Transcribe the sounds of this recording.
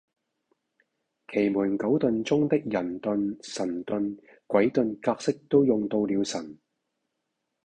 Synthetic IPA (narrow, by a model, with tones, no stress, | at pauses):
kʰe˨˩jmuː˨˩nkɐ˨˥wt̪ɵ˨nt͡sʊ˥ŋt̪ɪ˥k̚jɐ˨˩nt̪ɵ˧nsɐ˨˩nt̪ɵ˧n | kʷwɐ˨˥jt̪ɵ˨˧nkaː˧k̚sɪ˥k̚t̪o˥wjʊ˨ŋt̪o˧wliː˨˧wsɐ˨˩n